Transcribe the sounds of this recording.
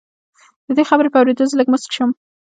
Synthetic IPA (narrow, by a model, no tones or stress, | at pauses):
d̪̥əd̪exabɾepəawɾed̪ozələɡmʊskʃəm